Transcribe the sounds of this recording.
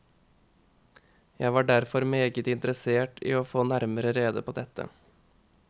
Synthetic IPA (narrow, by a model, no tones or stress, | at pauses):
jæɪʋɑːɖæɾfɔɾmeːɡət̪ɪnt̪ɾəseːʈḭːoːfoːnæɾməɾəɾeːd̪ə̰pʰoːd̪ɛt̪ə̰